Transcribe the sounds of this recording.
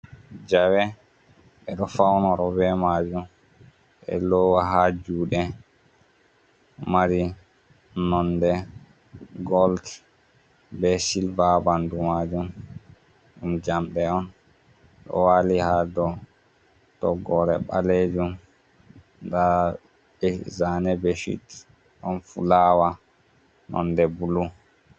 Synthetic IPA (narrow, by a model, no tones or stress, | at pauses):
d͡ʒawɛ | ɓɛɗɔfawnɔɾɔbɛmad͡ʒum | ʔɛ̰lɔwaɦad͡ʒuːɗɛ | maɾi | nɔndɛ | ɡɔlt | bɛsilbabandumad͡ʒum | ɗumd͡ʒamɗɛɔn | ɗɔ̰walihadɔ | tɔɡɔɾɛɓa̰led͡ʒum | da | bɛzanɛbɛʃḭt | ʔɔnfulawa | nʔɔ̰ndɛbulu